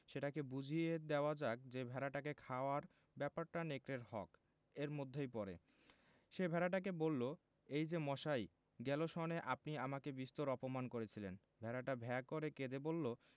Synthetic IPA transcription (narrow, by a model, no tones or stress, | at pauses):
ʃeʈakebud͡ʑʱied̪eoad͡ʑak̚d͡ʑebʱɛɾaʈakekʰaoaɾ | bɛpaɾʈanekɾeɾhɔk | eɾmod̪ʱːejpɔɾḛ | ʃebʱɛɾaʈ̬ak̬ebolːo | ejd͡ʑemɔʃaj | ɡɛloʃɔneʔapniamakebist̪oɾɔpomankoɾet͡ɕʰilen | bʱɛɾaʈabʱɛakoɾeked̪ebolːo